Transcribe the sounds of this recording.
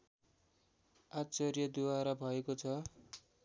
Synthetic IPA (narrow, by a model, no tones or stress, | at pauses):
at͡sʌrjʌd̪uwaɾabʱʌekot͡sʰʌ